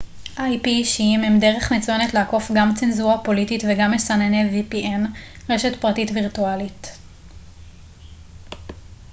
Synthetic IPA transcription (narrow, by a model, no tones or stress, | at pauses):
ʔajpiʃiimemde̞ʁe̞χmet͡sujenetleako̞fɡamt͡senzuʁapo̞lititveɡamesanenevipiʔen | ʁe̞ʃe̞tpʁatitviʁtualit